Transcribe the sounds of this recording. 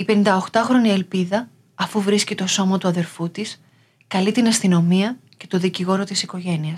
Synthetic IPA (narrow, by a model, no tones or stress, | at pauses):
ipe̞nind̪ɐo̞xt̪ɐxɾo̞nie̞lpiðɐː | fuvɾiscit̪o̞so̞mɐt̪uɐðe̞ɾfut̪is | kɐlit̪inɐst̪ino̞miɐce̞t̪o̞ðiciɣo̞ɾo̞t̪isiko̞ʝe̞niɐs